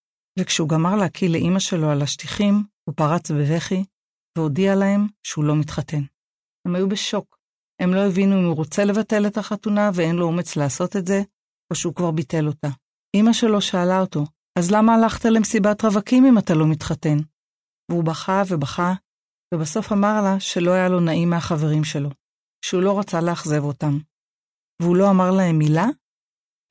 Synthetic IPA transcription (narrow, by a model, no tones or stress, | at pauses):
vekʃeuɡamaʁlehakʰileʔimaʃe̞lo̞alaʃtiχimhupaʁat͡sbeve̞χi | veo̞dialaɦe̞mʃeulo̞mitχate̞n | he̞majube̞ʃo̞k | e̞mlo̞evinuimuʁo̞t͡se̞le̞vate̞le̞taχatunavee̞nlo̞ome̞t͡sleaso̞te̞tze̞ | o̞ʃeukvaʁbite̞lo̞ta | imaʃe̞lo̞ʃaːlao̞to̞ | azlamaːlaχtaleemsibatʁavakimimatalo̞mitχate̞n | veubaχave̞baχa | vebaso̞famaʁlaʃe̞lo̞hajalo̞naʔimːeaχave̞ʁimʃe̞lo̞ | ʃeulo̞ʁat͡saleaχze̞vo̞tam | veulo̞amaʁlaɦe̞mːila